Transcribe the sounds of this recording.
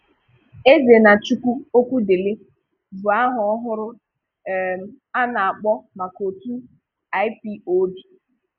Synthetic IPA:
e˦ze˨na˨t͡ʃu˦kʷu˦o˦kʷu˦de˨le˦ | bu˨a˦ɦʊ˨ɔ˦ɦʊ˦ɾʊ˦˨ | a˦na˨a˨k͡pɔ˦ma˨ko˨tu˦ | a˦jɪ˦pi˦o˦di˨

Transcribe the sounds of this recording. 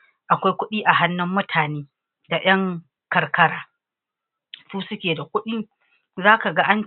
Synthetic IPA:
ʔa˨kʷa˦jkʷʊ˦ɗiː˦ʔa˨ɦa˦nːʊ˦mːʊ˦tʰaː˨neː˦ | da˨j̰ɐ˦ŋ | kɐ˨rkɐ˦ɽaː˦ | suː˦sʊ˦kʲeː˨da˨kʷʊ˦ɗɪ˦ŋ | zaː˦ka˨ɡa˦ʔa˦n

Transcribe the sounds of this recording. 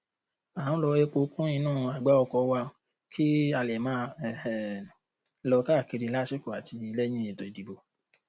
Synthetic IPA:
ã˨˦lɔ˧e˧k͡po˧˦kũ˦ĩ˧nãː˦˨˧a˨ɡ͡ba˦ɔ˧kɔ˧˦wa˧ | kʰi˦a˧˨lɛ˨mãː˦˨ | lɔ˧ka˦˨ki˧ɾi˧la˦ʃe˦ku˨a˨tʰi˧i˧lɛ˦ɲ̃ĩ˦e˨to˨i˨di˨bo˧

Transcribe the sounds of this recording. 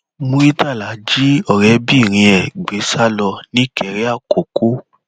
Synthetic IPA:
mũ˧i˦ta˦˨la˨˦d͡ʒi˦ɔ˦˨ɾɛ˨˦bi˦˨ɾ̃ĩ˧ɛ˨ɡ͡be˨˦sa˦lɔ˧nĩ˦kɛ˨ɾɛ˦a˦˨ko˨ko˦

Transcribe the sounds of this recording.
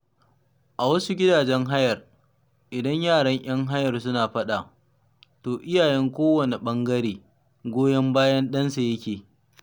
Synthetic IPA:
ʔa˨wɐ˦su˦ɡʲɪ˦daː˨d͡ʒɛ˦ŋɦa˦jɐ˨r | ʔɪ˨dɐ˦ɲjaː˦˨ɽɐ˦ɲj̰ɐ˦ŋɦa˦jɐ˨rsʊ˦naː˨ɸɐ˦ɗa˨ | toː˨ʔɪ˦jaː˨jɛ˦ŋkʷoː˦wɐ˨ne˨ɓɐ˦ŋɡɐ˦ɾeː˨ | ɡʷoː˦jɐ˦mbaː˦jɐ˦nɗɐ˦nsa˨jɐ˦kʲeː˨

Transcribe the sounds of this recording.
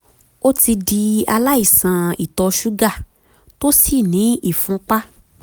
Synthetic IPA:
o˦ti˧di˧a˧la˦i˦˨sã˨˧i˨tɔ˧ʃu˦ɡa˦˨ | to˦si˦˨nĩ˨˦i˦˨fũ˨˦k͡pa˦

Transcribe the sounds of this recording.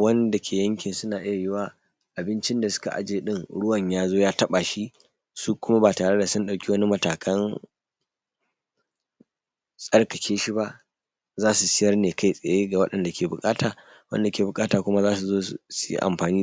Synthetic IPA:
wɐ˦nda˨kʰʲeː˨jɐ˦ŋkʲɪ˨nsʊ˦naː˨ʔɪ˦ja˨jɪ˦waː˦ | ʔa˨bɪ˦nt͡ʃɪ˦nda˨sʊ̥˦ka˨ʔa̰˦d͡ʒeː˨ɗɪ˦ŋɽʊ˦wɐ˨ɲjaː˦zoː˦jaː˦tɐ˦ɓa˨ʃi˦ | su˦kʷʊ˦ma˦baː˨taː˨ɽe˦da˨sʊ˦nɗa˨wkʲi˦wɐ˦ni˦mɐ˨taː˨kʰɐ˦n | sʼɐ˦rkɐ˨kʲʰeː˦ʃi˦ba˦ʔ | zaː˦su˨sɪ˦jɐ˦rneː˨ka˦jsʼe˨jeː˦ɡa˨wɐ˦ɗɐ˨nda˨kʲʰeː˨bʊ˨kʼaː˦taː˨ | wɐ̰˦nda˨kʲeː˨bʊ˨kʼaː˦taː˨kʷʊ˦ma˦zaː˦s̬u˨zoː˦˨sʊ˦jḭ˦ʔa̰˨mɸaː˨niː˦

